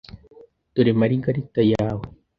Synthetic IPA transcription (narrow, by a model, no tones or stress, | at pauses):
t̪uɾemaɾiŋkaɾik̚t̪ajawe